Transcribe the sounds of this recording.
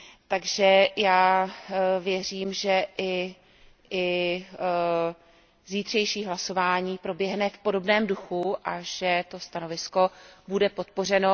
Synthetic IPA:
t̪aɡʒɛjaː | vjɛr̝iːmʒɛʔɪ | ɪ | ziːt̪r̝̥ɛjʃiːɦlaso̞vaːɲiːpɾo̞bjɛɦnɛfpo̞do̞bnɛːmduxuʔaʒ̥ɛt̪o̞st̪ano̞vɪsko̞budɛpo̞t̪̚po̞r̝ɛno

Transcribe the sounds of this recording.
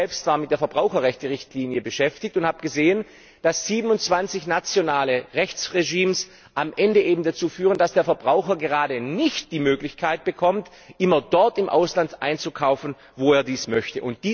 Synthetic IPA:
ɛlpstv̥aːɐmɪt̚d̥eːɐfɛɐbʁaʊxɐʁɛçtəʁɪçtʰliːnjəbəʃɛftɪçtʊnthaːbɡ̥əzeːən | d̥asz̥iːbən̩ʊnt͡sv̥ant͡sɪçnat͡sjonaːləʁɛçt͡sʁeʒiːms | ʔamʔɛndəʔeːbm̩dat͡suːfyːʁəndasd̥eːɐfɛɐbʁaʊxɐɡəʁaːdənɪçt̚d̥iːmøːklɪçkʰaɪt̚b̥əkʰɔmt | ʔɪmɐdɔɐtɪmʔa̰ʊslantʔa̰ɪnt͡sukʰaʊfn̩ | voːeːɐdiːsmœçtəʔʊnt̚d̥iː

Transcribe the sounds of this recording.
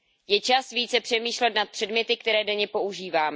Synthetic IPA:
jɛt͡ʃasviːt͡sɛpr̥ɛmiːʃlɛt̪nat̪̚pr̥ɛdmɲɛt̪ɪk̚t̪ɛɾɛːdɛɲɛpo̞ʔuʒiːvaːmɛ

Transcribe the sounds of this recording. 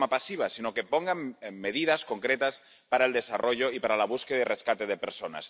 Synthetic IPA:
mapasiβ̞asinoke̞poŋɡaŋmeð̞iðaskoŋkɾet̪as | paɾaeld̪e̞sarʔoʎoipaɾalaβ̞uskeðaireskat̪eðepeɾsona̰s

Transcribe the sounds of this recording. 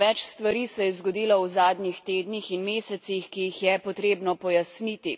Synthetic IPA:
ʋɛt͡ʃst̪ʋaɾiːsɛjɛzɡɔd̪iːlawzaːd̪nʲixt̪eːd̪nixinmeːsɛt̪sixkijixjɛpɔt̪ɾeːbnɔpɔjasnit̪i

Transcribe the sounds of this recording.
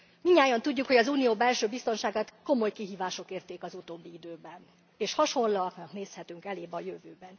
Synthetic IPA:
miɲːaːjɒnt̪uɟːukho̞ɟɒzuːnijoːbɛlʃøːbist̪o̞nʃaːɡaːt̪ko̞mo̞jkiɦiːvaːʃo̞keːrt̪eːkɒzut̪oːbːiid̪øːbɛn | eːʃhɒʃo̞nlɒknɒkneːshɛt̪yŋkɛleːbɒjøvøːbɛn

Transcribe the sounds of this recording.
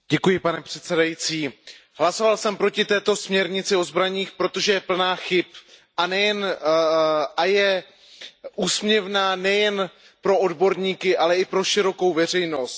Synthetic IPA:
ɟɛkujɪpanɛpr̝̥ɛt̪sɛdajit͡siː | ɦlaso̞valsɛmpɾo̞cɪt̪ɛːt̪o̞smɲɛɾɲɪt͡sɪo̞zbɾaɲiːxpɾo̞t̪oʒɛjɛpl̩naːxɪpʔanɛjɛn | ʔajɛ | ʔuːsmɲɛvnaːnɛjɛn | pɾo̞o̞dbo̞ɾɲiːkɪʔalɛɪpɾo̞ʃɪɾo̞ko̞wvɛr̝ɛjno̞st̪̚

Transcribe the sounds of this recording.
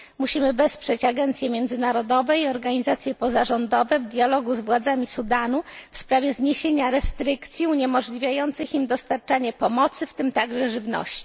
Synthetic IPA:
muɕimɘvɛspʂɛt͡ɕaɡɛnt̪sʲjɛmʲjɛnd̪zɘnaɾɔd̪ɔvɛiɔɾɡaɲizat̪sʲjɛpɔzaʐɔnd̪ɔvɛvd̪ʲjalɔɡuzvwad̪zamʲisud̪anufspɾavʲjɛzɲeɕeɲaɾɛst̪ɾɘkt̪sʲjiuɲɛmɔʐlʲivʲjajɔnt̪sɘximd̪ɔst̪aɾt͡ʂaɲɛpɔmɔt̪sɘft̪ɘmt̪aɡʐɛʐɘvnɔ̰ɕt͡ɕi̥

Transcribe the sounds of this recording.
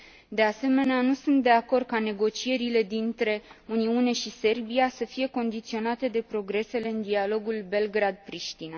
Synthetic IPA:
d̪e̞ase̞me̞neanusunt̪̚d̪e̞ako̞rd̪̚kane̞ɡo̞t͡ʃie̞ɾile̞d̪int̪ɾe̞uniune̞ʃise̞rbiasəfije̞ko̞nd̪it̪sio̞nat̪e̞d̪e̞pɾo̞ɡɾe̞se̞le̞ɨnd̪ialo̞ɡulbe̞lɡɾad̪̚pɾiʃt̪ina

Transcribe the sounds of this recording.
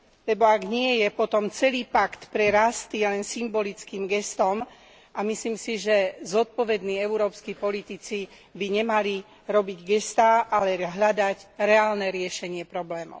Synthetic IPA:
lɛbɔaɡɲɪɛjɛpɔt̪ɔmt͡sɛliːpakt̪pɾɛɾast̪ijɛlɛnsimbɔlit͡skiːmɡɛst̪ɔm | ʔamisliːmsiʒɛzɔt̪̚pɔʋɛd̪niːɛʊuɾɔːpskiːpɔlit̪it͡si | biɲɛmali | ɾɔbiɟɡɛst̪aːʔalɛɦʎad̪aɟɾɛaːlnɛɾɪɛʃɛɲɪɛpɾɔblɛːmɔ̰ʊ

